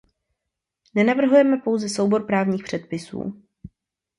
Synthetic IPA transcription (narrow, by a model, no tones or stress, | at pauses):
nɛnavr̩ɦujɛmɛpo̞wzɛsowbo̞ɾpɾaːvɲiːxpr̝̥ɛt̪̚pɪsṵː